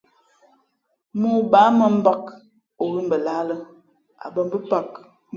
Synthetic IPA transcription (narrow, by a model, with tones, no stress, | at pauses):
mu˦˨baː˨˦mə˦˨m̩˦ba˦k | o˨ɣi˦m˨bə˨la˦lə˦ | a̰˨bə˦m˦bə˦pa˨k̚